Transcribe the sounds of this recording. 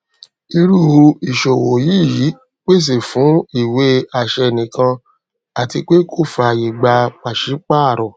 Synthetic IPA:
i˧ɾu˦˨o˧i˨ʃo˨wo˨jiː˦˨ji˨˦ | k͡pe˦˨s̬e˨fũ˨˦i˦˨we˨˦a˦˨ʃɛ˧˨nĩ˨kã˧ | a˨ti˧k͡pe˦kʰo˦˨fa˧˨ji˨ɡ͡ba˧k͡pa˨ʃi˨˦k͡pa˦a˦˨ɾɔ˨

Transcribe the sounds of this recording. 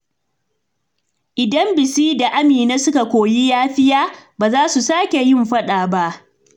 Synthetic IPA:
ʔɪ˨dɐ˦mbɪ˨siː˦da˨ʔa˦miː˨na˦sʊ˦ka˨kʷoː˨ji˦jaː˦ɸɪ˦jaː˦baː˨zaː˦su˨saː˦kʲe˨jɪ˦mɸɐ˦ɗaː˨ba˦ʔ

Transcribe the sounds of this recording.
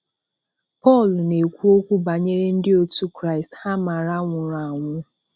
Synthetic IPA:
pɔ˦˨lne˨kʷu˦o˦kʷu˦ba˨ɲe˦ɾe˦n̩˦dɪ˦o˦tu˦kɾa˦ɪ˨stha˦ma˨ɾa˦ŋʷʊ˨ɾa˨ŋʷʊ˦

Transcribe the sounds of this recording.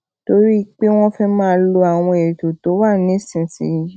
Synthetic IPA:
to˧˦ɾi˦˧k͡pe˦w̃ɔ̃˦fɛ˦mãː˦lo˧a˨w̃ɔ̃˧e˨ɾi˨to˨to˨˦wa˦˨nĩ˨˦sĩ˨sḭ˨˦˧

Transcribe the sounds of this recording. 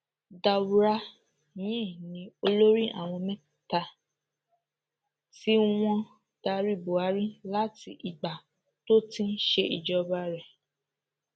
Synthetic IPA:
da˨wu˨˦ɾa˧ | jĩ˨˦˨nĩ˨˦o˧lo˦ɾi˦ʔa̰˦˨w̃ɔ̃˧mɛ̃˦˨ta˧ | ti˦w̃ɔ̃˧ | d̥a˧ɾi˦bo˨a˨˦ɾi˦la˨˦ti˧ʔi˨ɡ͡ba˨ | to˦tĩ˦n˦ʃe˧ʔi˨d͡ʒɔ˧ba˧ɾɛ˨

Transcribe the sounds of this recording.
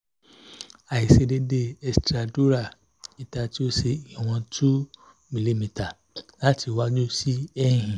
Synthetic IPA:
a˨i˨se˧de˧de˧ɛ˧stɾa˨du˦ɾa˦˨ | i˦ta˧ti˦o˦se˧i˨w̃ɔ̃˧tʰu˦ | mĩ˧li˧mĩ˧˨ta˨ | la˦ti˧wa˦d͡ʒo˦si˦ɛ̃˦˨hĩ˨

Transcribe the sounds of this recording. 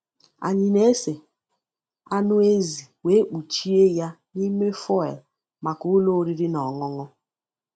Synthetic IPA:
a̰˨ɲɪ˨ne˦e˦se˨ | a˦nʊ˦e˦zi˨we˦e˦k͡pu˨t͡ʃi˦e˦ja˦ | ni˦me˦fɔ˦ɛ˨l | ma˨kʊ˦ʊ˦lo˦ɾi˦ɾɪ˦nɔ˨ŋɔ˦ŋɔ˦

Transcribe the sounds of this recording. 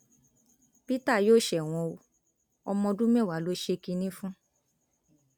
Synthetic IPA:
pi˦ta˦˨joː˦˨ʃɛ˨w̃ɔ̃˧o˧ | ɔ˧mɔ̃˧dũ˦mɛ̃˦˨wa˨˦lo˦ʃe˧ki˧nĩ˦fũ˦

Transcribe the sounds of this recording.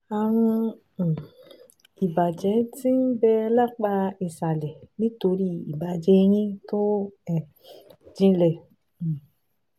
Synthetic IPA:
a˨ɾ̃ũ˧˨ | i˨ba˨d͡ʒɛ˨˦ti˦n̩˦bɛ˧la˦k͡pa˧i˨sa˨lɛ˨nĩ˦to˧ɾi˦i˨ba˨d͡ʒɛ˧˦˧ɾ̃ĩ˦to˦ɛ˨ | d͡ʒĩ˧lɛ̃˨

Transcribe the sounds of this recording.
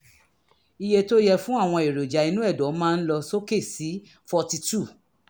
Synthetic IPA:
i˧je˧to˦jɛ˧fũ˦a˦˨w̃ɔ̃˧e˨ɾo˨d͡ʒa˨i˧nũ˦ɛ˦˨dɔ˨˦mãː˦˧n̩˦lɔ˧so˦ke˦˨si˨˦ | fɔ˧ti˧tu˦˨

